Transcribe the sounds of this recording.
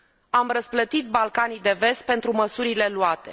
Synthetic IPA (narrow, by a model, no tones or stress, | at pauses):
amrəsplət̪it̪̚balkanijd̪e̞ve̞st̪̚pe̞nt̪ɾuməsuɾile̞luat̪e̞̰